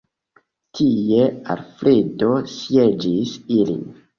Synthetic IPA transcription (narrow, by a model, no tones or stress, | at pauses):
tʰie̞a̰lfɾido̞sje̞d͡ʒisilḭn